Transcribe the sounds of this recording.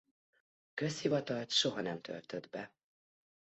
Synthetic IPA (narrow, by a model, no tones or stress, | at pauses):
kø̞shivɒt̪ɒlt̪ʃo̞ɦɒnɛmt̪ʰø̰lt̪ød̪bɛ